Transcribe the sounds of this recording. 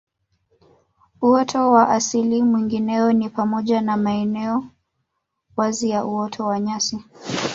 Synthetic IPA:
uɔtʰɔwaʔasilimwiŋɡinɛɔnipamɔʄanamaɛnɛɔ | wazijaʔuɔtʰɔwaɲasi

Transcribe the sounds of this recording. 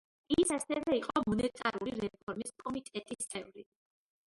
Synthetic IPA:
isasɛvɛiqʼɔmɔnɛt̪ʼa̰ɾuliɾɛpʰɔɾmiskʼɔmit̪ʼɛt̪ʼist̪sʼɛvɾi

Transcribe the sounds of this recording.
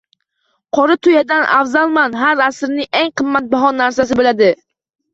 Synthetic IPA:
qʰɒɾɪt̪ʰʊjad̪anʔa̰fzalˠmanɦaɾasɾnɪŋeŋqʰɨmːat̪̚baɦɒnːaɾsas̬ɪbolad̪ɪ

